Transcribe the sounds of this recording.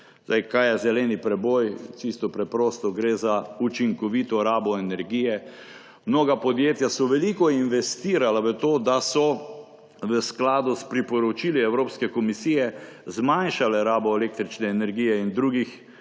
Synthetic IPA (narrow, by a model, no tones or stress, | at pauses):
zd̪ajkajɛzɛlɛnipɾɛbɔjt͡ʃist̪ɔpɾɛpɾɔːst̪ɔɡɾeːzaut͡ʃiŋkɔʋit̪ɔɾaːbɔɛnɛɾɡiːjɛ | mnoːɡapɔd̪jeːt̪jasɔʋɛlikɔinʋɛst̪iːɾalaʋət̪oːd̪asɔ | ʋəsklaːd̪ʊspɾipɔɾɔt͡ʃiliɛwɾoːpskɛkɔmisiːjɛzmanʃalɛɾaːbɔeleːk̚t̪ɾit͡ʃnɛːnɛɾɡiːjɛind̪ɾuːɡix